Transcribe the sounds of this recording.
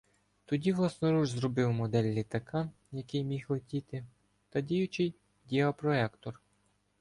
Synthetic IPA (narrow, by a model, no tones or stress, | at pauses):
t̪ɔdʲiʋlˠɑsnɔɾuʒzɾɔbɪwmɔd̪ɛlʲːit̪ɐkʰɑ | jɐkɪjmʲixɔtʲit̪ɪ | t̪ɐdʲijʊt͡ʃɪj | dʲiɔpɾɔɛkt̪ɔr